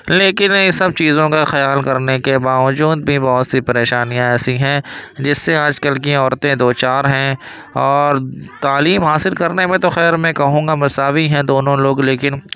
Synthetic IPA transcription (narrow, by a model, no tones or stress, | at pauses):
leːkɪnɪ̃sɐb̚t͡ʃiːzõkaxɐjaːlkɐɾnekebaːʋd͡ʒuːd̪̚bʱibɔɦʊt̪sipɐɾeːʃaːnijãɛːsiɦɛ̃d͡ʒɪsːeaːd͡ʒkəlk̬iɔːɾt̪ẽd̪oːt͡ʃaːɾɦɛ̃ | ɔːɾt̪aːliːmɦaːsɪlkɐɾnemẽt̪oxɛːɾmɛ̃kɐɦũːŋɡamɐsaːʋiɦɛ̃d̪oːnõloːɡleːkɪn